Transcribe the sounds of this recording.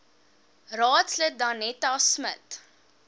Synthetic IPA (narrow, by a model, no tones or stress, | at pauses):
rɑːtslək̚dɐnɛtasmət